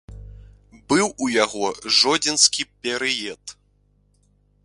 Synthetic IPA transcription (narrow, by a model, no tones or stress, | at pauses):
bɨwujaɣɔʐɔd͡zʲɛnskʲipʲɛɾɨjɛt̪